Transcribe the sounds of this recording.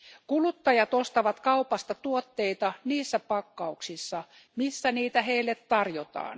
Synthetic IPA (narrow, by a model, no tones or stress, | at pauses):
kulut̪ːɑjɑt̪ost̪ɑʋɑt̪kɑupɑst̪ɑt̪uot̪ːeit̪ɑniːsːæpɑkːɑuksisːɑ | misːæniːt̪æheilːet̪tɑrjot̪ɑ̰ːn